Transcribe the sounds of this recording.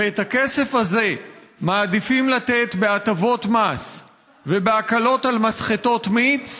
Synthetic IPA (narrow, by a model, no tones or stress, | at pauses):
et̪hakese̞fhaze̞maːd̪ifimlat̪e̞t̪be̞atavo̞tmas | vebeakalo̞talmasχeto̞t̪mit͡s